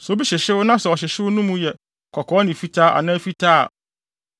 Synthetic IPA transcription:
sɔ˨˦bi˦ɕɪ˨ɕɪ˦wʊ˦nã˦sɛ˨ɔ˨ɕ̬ɪ˨ɕɪ˦wʊ˦nũ˦mũ˦jɛ˨ | kʰɔ˨kʰɔː˦nɪ̃˨fi˦tʰaː˦ʔa̰˨nãː˦fi˦tʰaː˦a̰˨

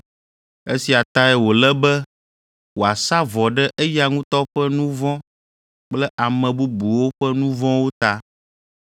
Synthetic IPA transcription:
e˦si˨a˨t̪a˦ɛ˦wo˨lɛ˦bɛ˦ | wo˨a˨sa˦vɔ˨ɖɛ˦ʔe˦ja˨ŋũ˦t̪ɔ˦ɸɛ˦nũ˦vɔ̃˦ | k͡plɛ˦ʔa˨mɛ̃˨bu˦bu˨wo˦ɸɛ˦nũ˦vɔ̃˦wo˦t̪a˦

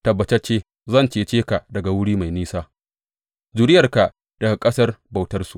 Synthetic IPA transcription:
tɐ˨bːɐ˨t͡ʃɛ˦t͡ʃeː˦ | zɐ˦˨nt͡ʃeː˨t͡ʃeː˦ka˨dɐ˨ɡa˨wʊ˦ɽiː˦ma˨jniː˦saː˦ | zu˨ɾɪ˦jɐ˨rka˨ʔ | d̥ɐ˨ɡa˨kʼɐ˦sɐ˦rba˨wtɐ˦rsu˨ʔ

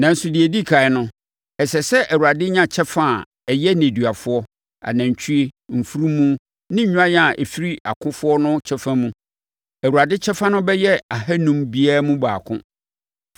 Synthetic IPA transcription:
nã˨n̩˦sʊ˨di˨e˨di˦˨kʰa˨ɪ˦nʊ̃˦ | ɛ˨sɛ˨sɛ˦ʔæ˨wu˨ɾa˨dɪ˦ɲã˦˨t͡ɕʰɛ˦fã˦˨ | ɛ˨jɛ˦n˨ẽ˨dɥa˨fʊ˦ɔ˦ | a̰˨nã˨ɲ˨t͡ɕʰᶣu˦e˦m̩˨fu˦ɾu˦mũ˦ | nɪ̃˦ɲ̩˦ɲ̃ᶣ˦ã˦jɛ˦a˨ʔɛ˨fi˦ɾi˦a̰˨kʰʊ̃˦fʊ˦ɔ˦nʊ̃˦t͡ɕʰɛ˦fã˦mũ˦ | æ˨wu˨ɾa˨dɪ˦t͡ɕʰɛ˦fã˦nʊ̃˦bɛ˦jɛ˦a˨hæ˦nũ˦mbi˦aː˦mũ˦baː˨kʰʊ̰̃˦

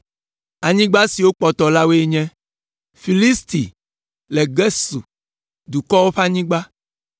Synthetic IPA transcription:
a˨ɲĩ˦ɡ͡ba˦si˨wo˦k͡pɔ˨t̪ɔ˨la˦we˦ɲɛ̃˦ | fi˨li˦st̪ḭ˨ | lɛ˨ɡɛ˦sṵ˨ | d̪u˨kɔ˦wo˦ɸa˦ɲĩ˦ɡ͡ba˦

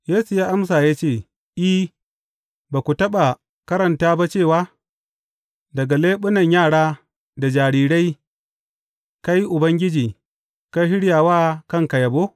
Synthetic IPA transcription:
jeː˦su˨jaː˦ʔa˦msaː˨jaː˦t͡ʃeː˦˨ | ʔi˦ | ba˨kʷu˨tɐ˦ɓa˨ | kɐ˦ɾɐ˨ntaː˦ba˦t͡ʃeː˦˨waː˦ | dɐ˨ɡa˨leː˦ɓʊ˦nɐ˨ɲjaː˦˨ɽaː˦ | da˨d͡ʒaː˨ɾiː˨ɽa˦j | ka˦ji˦ʔʊ˨bɐ˦ŋɡʲɪ˦d͡ʒiː˨ | ka˦ɦɪ˦ɽjaː˨waː˦kɐ˦˨ŋka˨jɐ˨boː˦

